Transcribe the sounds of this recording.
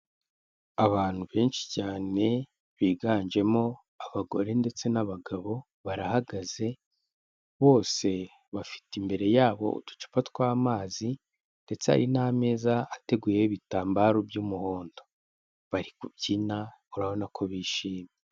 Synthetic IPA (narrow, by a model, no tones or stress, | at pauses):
aβaːn̥huβe̞ːnʃi̥caːne̞ | βiɡaːnd͡ʒe̞mo̞ | aβaɡo̞ɾe̞nde̞t͡se̞naβaɡaβo̞ | βaɾahaɡaz̥e̞ | βo̞ːse̞ | βafi̥timbe̞ɾe̞jaːβo̞̰ṵtu̥t͡ʃi̥fatkwaːmaːzi | nde̞t͡sea̰ɾinaːme̞ːzaːte̞ɡuːjeβitaːmbaːɾobjuːmuho̞ːndo̞ | βaɾikub̚ɟinauɾaβo̞nakʰo̞βiːʃiːme